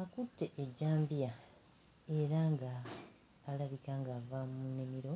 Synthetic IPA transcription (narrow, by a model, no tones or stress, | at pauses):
akutːe̞ʔeɟːaːmbija | e̞ɾaŋɡaː | laβikaŋɡavamune̞miɾo̞